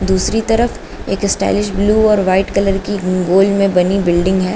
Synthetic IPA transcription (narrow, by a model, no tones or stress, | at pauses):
d̪uːsɾit̪ɐɾəf | ḛːkɪsʈɛ̰ːlɪʃbluːɔːɾʋaːɪʈkɐləɾkiɡoːlɖmẽbɐnibɪlɖɪ̃ŋɡɦɛː